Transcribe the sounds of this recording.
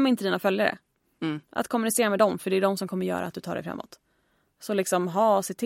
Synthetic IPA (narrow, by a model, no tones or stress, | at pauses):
mɪnt̪əd̪iːnafœljaɾə̰ | ʔa̰t̪kʰɔmːɵnɪseːɾamɛd̪ɔmfœɖɛːɖɔmsɔmkʰɔmːəɾjœ̰ːɾa̰t̪̚d̪ɵt̪ɑːɖɛ̰fɾa̰mːɔ̰t̪ | sɔlɪksɔmɦɑːsɪt̪ʰɪ